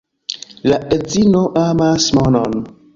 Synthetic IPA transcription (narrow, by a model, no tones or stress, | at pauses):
laʔed͡zinoʔamasmonon